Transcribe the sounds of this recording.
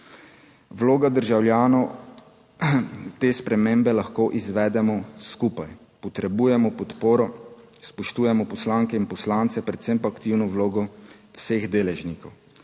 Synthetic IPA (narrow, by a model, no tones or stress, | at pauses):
wloːɡad̪əɾʒawljaːnɔw | t̪eːspɾɛmembɛlaxkoːʔizʋɛːd̪ɛmɔskuːpaj | pɔt̪ɾɛbuːjɛmɔpɔt̪poːɾɔ | spɔʃt̪uːjɛmɔpɔslaŋkɛinpɔslaːnt̪sɛpɾɛt̪sempakt̪iwnɔwloːɡɔwseɣd̪eːlɛʒnikɔw